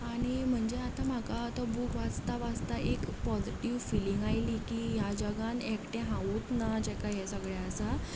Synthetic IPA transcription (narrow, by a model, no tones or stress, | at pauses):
aɽ̃im̤əɳd͡ʑeat̪ãm̤akat̪ɔbukʋat͡st̪aʋad͡zt̪aʔekpɔd͡ziʈiʋfiliŋɡajliːkiːjad͡ʑəɡãnekʈẽɦãut̪nad͡ʑɛkajɦɛsəɡɭaəsa